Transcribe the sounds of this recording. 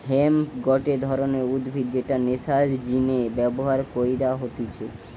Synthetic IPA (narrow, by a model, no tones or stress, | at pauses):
ɦemɡɔʈed̪ʱɔɾoneɾud̪bʱid̪̚d͡ʑeʈanesad͡ʒd͡ʑinebɛboɦaɾkojd̪aɦot̪et͡ɕʰe